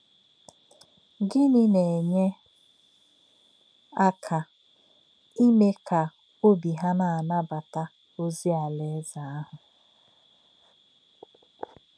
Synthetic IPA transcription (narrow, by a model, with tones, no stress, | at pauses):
ɡɪ˦nɪ˦ne˨e˨ɲe˦ | a˦kʰa˨ | i˦me˦kʰa˨ | o˦bi˨ɦa˦na˨a˨na˦ba˨ta˦ | o˦zi˦a˨le˦za˨a˦ɦʊ˨